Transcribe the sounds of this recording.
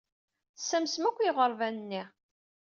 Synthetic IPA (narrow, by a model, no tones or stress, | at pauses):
sːæmsmækʷːjiʁəɾˤvænənːi